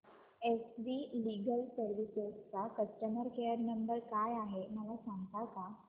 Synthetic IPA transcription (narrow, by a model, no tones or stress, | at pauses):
esʋiliɡəlsəɾʋisest͡sakəsʈəməɾkejəɾnəmbəɾkajaɦeməlasãŋɡt̪aka